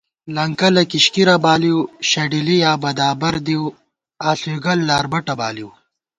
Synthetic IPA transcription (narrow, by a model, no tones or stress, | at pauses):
lɐŋkɐlɐkiɕkiɾɐbaːliwɕɐɖilijaːbɐd̪aːbɐɾd̪iw | aːɬuɡɐlːaːɾbɐʈɐba̰ːliw